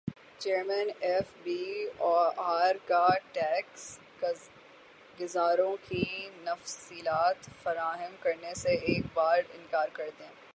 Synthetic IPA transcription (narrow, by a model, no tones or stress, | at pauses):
t͡ʃeːɾmɛnɛfbiːɔːaːɾkaʈɛːks | ɡɪzaːɾõkinɐfsiːlaːt̪fɐɾaːɦəmkɐɾneseeːkbaːɾɪ̰̃nkaːɾkɐɾt̪eɛ̃ː